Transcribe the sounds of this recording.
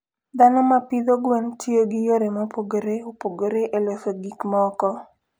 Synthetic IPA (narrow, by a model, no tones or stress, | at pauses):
d̪anɔmapid̪oɡwɛntʰioɡɪjoɾemɔpoɡoɾeopoɡoɾeʔelosoɡikmɔkɔ